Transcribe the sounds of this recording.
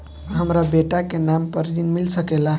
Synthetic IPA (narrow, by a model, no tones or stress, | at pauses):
ɦəmɾabeʈakenampəɾid̪inmilsəkela